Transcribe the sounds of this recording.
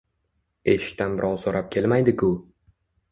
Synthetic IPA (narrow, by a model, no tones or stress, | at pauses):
e̞ʃɪ̥kʲt̪ʰanbɪɾʔɒwˠsoɾʔap̚kʲʰe̞lmajd̪ɪkʰʲʊ